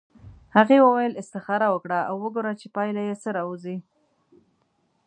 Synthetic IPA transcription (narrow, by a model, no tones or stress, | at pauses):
haɣewəwajəlɪst̪ɪxɑɾawəkɽaawːəɡoɾat͡ʃepɑjlajesəɾɑuzi